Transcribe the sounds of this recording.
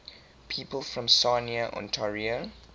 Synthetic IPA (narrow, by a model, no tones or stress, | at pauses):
pʰiːpəlfɹɔ̃msaniəʔɔ̰̃ntʰaɹiə